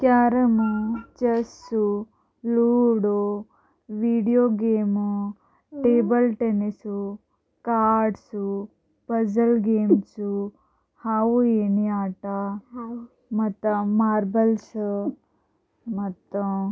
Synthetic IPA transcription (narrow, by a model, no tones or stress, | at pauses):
kjaːɾɐmut͡ʃɐsːu | luːɽo | ʋiːɖijoːɡeːmu | ʈeːbɐlʈenisu | kaːɾɖsu | pɐd͡ʒɐlɡeːmsu | haːwueːniaːʈa | mɐt̪ːɐmaːɾbɐls | mɐt̪ːɐ